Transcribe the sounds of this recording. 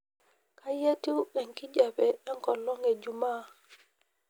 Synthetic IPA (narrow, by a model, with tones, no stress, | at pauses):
kaje˦ti˦wɓɛ˨ŋki˦d͡ʒabɛɛ˦ŋkɔ˨lɔ˦ŋɛd͡ʒuma˦